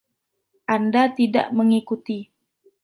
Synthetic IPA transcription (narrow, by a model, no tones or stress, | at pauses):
ʔandat̪ida̰ʔməŋikut̪i